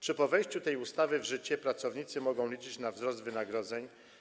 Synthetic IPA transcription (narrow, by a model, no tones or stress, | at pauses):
t͡ʂɘpɔvɛjɕt͡ɕut̪ɛjust̪avɘvʐɘt͡ɕɛpɾat̪sɔvɲit̪sɘmɔɡɔ̃w̃lʲit͡ʂɘt͡ɕnavzɾɔsd̪vɘnaɡɾɔd̪zɛɲ